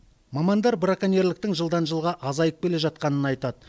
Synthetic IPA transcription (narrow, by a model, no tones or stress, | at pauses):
mɑmɑnd̪ɑɾbɾakane̞ɾlɪkt̪ɪŋʒəlˠd̪ɑnʒəlˠʁɑʔɑzɑjəp̚bʲe̞le̞ʒɑt̪̚qɑnənɑjt̪ɑd̪ə